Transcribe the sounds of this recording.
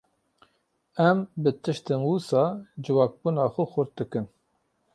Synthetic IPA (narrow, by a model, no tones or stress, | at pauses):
ɛmbɨt̪ʰɨʃt̪ɨnwusɑːd͡ʒɨwɑːk̚bunɑːxʊxʊɾt̪̚d̪ɨkɨn